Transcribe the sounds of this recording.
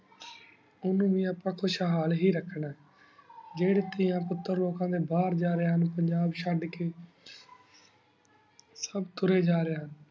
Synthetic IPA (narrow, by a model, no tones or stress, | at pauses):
ʊnũːʋĩːaːpãːkʰʊʃaːɦaːlɦiːɾəkʰːɳaːɛ | d͡ʒeːɽeːt̪ɪjãːpʊt̪ːəɾloːkãːd̪eːbaːɾd͡ʒaːɾeːɦənpəɲd͡ʒaːbʃəɖkeː | səbt̪ʊɾeːd͡ʒaːɾeːɦən